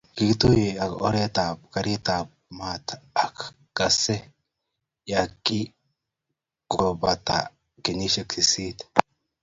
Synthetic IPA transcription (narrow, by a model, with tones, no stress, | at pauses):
ɡ̥ɪɡt̪ujɛɐ˨ɔ̰ɾe˦t̪aː˨b̚kɐ˦ɾi˦t̪aː˨b̚maː˨t̪ɐk | ɡ̥ɐsɛ˦ | jakʼːi | ɡ̥ɔbɐt̪a̰ | kɛ˨ni˦ʃɛ˨ksɪsiː˦t̪